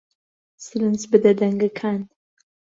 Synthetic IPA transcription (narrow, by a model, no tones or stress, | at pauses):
sɨlɨnsbɨd̪ɐd̪ɐŋɡakʰaːn